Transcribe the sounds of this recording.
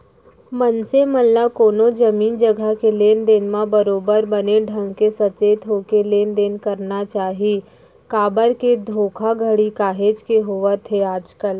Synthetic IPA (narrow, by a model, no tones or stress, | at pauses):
mənseməlːakoːnod͡ʒəmiːnd͡ʒəɡʱəkeleːnd̪enmãbəɾoːbəɾbəneɖʱə̃ŋɡkesɐt͡ʃeːt̪ɦoːkeleːnd̪eːnkɐɾnat͡ʃaːɦii | kaːbəɾked̪ʱoːkʰaɡʱəɽikaːɦeːd͡ʒkeɦoʋət̪ʰeaːd͡ʒkəl